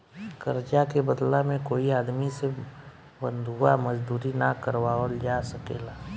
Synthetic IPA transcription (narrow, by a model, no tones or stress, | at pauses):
kəɾd͡ʒakebəd̪lamẽkoːiaːd̪mise | bə̃nd̪ʱuaməd͡ʒd̪uːɾinakəɾwaold͡ʒasəkeːlaː